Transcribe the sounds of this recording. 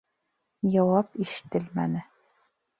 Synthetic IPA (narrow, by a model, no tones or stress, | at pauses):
jɑwɑpiʃɘ̥̆t̪ɘlmæ̰nɘ